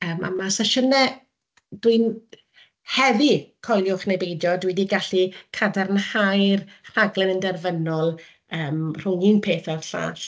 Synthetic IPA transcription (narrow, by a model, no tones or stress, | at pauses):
əːma̰masaʃənɛ | d̥win | hɛðikʰɔlˠjʊχnejbejdjɔdwidiɡaɬikʰadɛrnhajrr̥aɡlˠɛnəndɛrvənɔlˠ | əːmr̥ʊŋiːnpʰeːθɛrɬa̰ːɬ